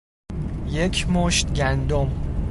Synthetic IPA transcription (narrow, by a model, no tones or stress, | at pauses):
je̞cʰmoʃt̪ɟænd̪om